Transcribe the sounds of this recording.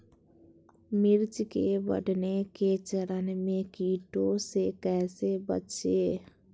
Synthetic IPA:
mɪɾt͡ʃkebə̰ɖneket͡ʃəɾənmẽkiːʈosekɛːsebə̰tʃeː

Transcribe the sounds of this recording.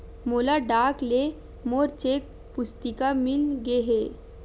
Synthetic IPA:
molaɖakle | moɾt͡ɕek̚ | pust̪ikamilɡeɦe

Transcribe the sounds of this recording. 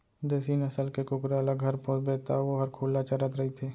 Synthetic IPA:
d̪ɛːsinəsəlkekʊkɾeɐləɡɦɐɾpõsbet̪ʰaʋoɦɐɾkʰuːlːat͡ʃɐɾət̪ɾɐɦit̪ʰeː

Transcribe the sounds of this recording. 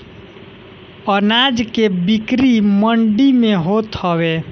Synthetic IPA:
ənad͡ʒkebikɾiməɳɖimeɦot̪əwe

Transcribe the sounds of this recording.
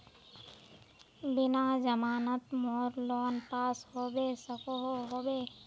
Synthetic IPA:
bɪnad͡ʒəmaːnət̪mɔːɾlɔːnpaːsɦoːbeːsəkoɦoɦoːbeː

